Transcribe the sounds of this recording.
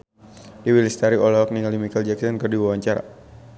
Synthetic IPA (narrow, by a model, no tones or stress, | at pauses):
diwilist̪aɾiɔlɔɔk̚niŋalimikald͡ʒaksɔnkərdiwawaɲt͡ʃaɾa̰